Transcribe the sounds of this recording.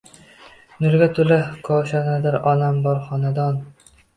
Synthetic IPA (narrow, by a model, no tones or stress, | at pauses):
nʊɾɡʲat̪ʰɵlakʰɒʃanad̪aɾɒnambɒɾχɒnad̪ɒn